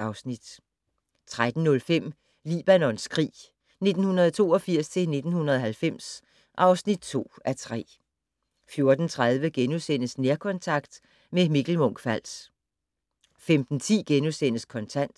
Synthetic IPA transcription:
ɑ̈ʊsnid̥ | t͡sʰʁad̥n̩ːɔ̽lfem̰ | lḭːb̥ænɒ̽nskʰʁḭː | ne̝d̥n̩hunɐðˠɒt͡sʰo̝̰ːɒ̽fiɐ̰st͡sʰe̝lne̝d̥n̩hunɐðˠɒɦælfem̰s | ʔɑ̈ʊsnid̥̚t͡sʰo̝̰ːæt͡sʰʁɛ̰ː | fjo̝ɐd̥n̩t͡sʰʁað̞ˠʋəɡ̥enusen̰əsneɐkʰɒ̽nt͡sʰɑ̈ɡ̥̚d̥ | memiɡ̥l̩mɔ̽ŋ̰ɡ̥fæl̰s | femd̥n̩t͡sʰḭːɡ̥enusen̰əskʰɒ̽nt͡sʰæn̰d̥

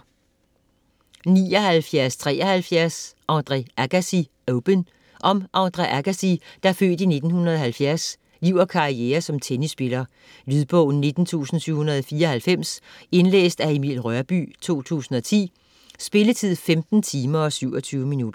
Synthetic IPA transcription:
niːɒ̽hælfjæɐst͡sʰʁɛ̰ːʔɒhælfjæɐsʔɑ̈ʊnd̥ʁɛæɡ̥æsi | oʊb̥ən | ʔɒ̽mʔɑ̈ʊnd̥ʁeʔæɡ̥æsid̥ɑæɐfø̰ːd̥ine̝d̥n̩hunɐð̞ˠɒ̽hælfjæɐs | liʊɐkʰɑ̈ieːɐsɒ̽mt͡sʰenisːb̥e̝lɐ | lyðˠb̥ɔ̰̽ʊ̰n̩ne̝d̥n̩t͡sʰṵːsn̩syʊ̰unɐð̞ˠɒ̽fiːɐɒ̽hælfem̰se̝nlḛːsd̥æe̝mḭːlʁɶɐb̥y̰ːt͡sʰo̝̰ːt͡sʰṵːsn̩ɒ̽t͡sʰḭː | sb̥e̝lət͡sʰið̰ˠfemd̥n̩t͡sʰiːmɐɒ̽syʊ̰ɒ̽t͡sʰyːʊminud̥ɐ

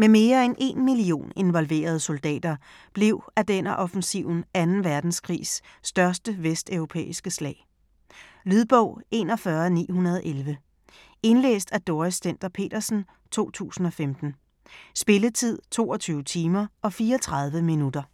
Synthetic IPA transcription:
meme̝ːɐenʔe̝nmilio̝̰ːne̝nʋɒ̽lʋe̝̰ːɐð̞ˠəsold̥ɛ̰ːd̥ɐ | b̥le̝ʊ̰æd̥enæʔɒ̽fn̩siʊ̰n̩ænn̩ʋæɐd̥n̩skʰʁḭːsːd̥ɶɐsd̥əʋesd̥œʊʁo̝pʰḛːisɡ̥əslɛ̰ːɪ | lyðˠb̥ɔʊ̰e̝nɒ̽fɶɐnḭːhunɐð̞ˠʔelʋə | e̝nlḛːsd̥æd̥oɐɪsden̰d̥ɐpʰe̝̰ːd̥ɐsn̩ | t͡sʰo̝̰ːt͡sʰṵːsn̩ɒ̽femd̥n̩ | sb̥e̝lət͡sʰið̞̰ˠt͡sʰo̝̰ːɒ̽t͡sʰyːʊət͡sʰiːmɐɒ̽fiːɒt͡sʰʁɑ̈ð̞ˠʋəminud̥ɐ

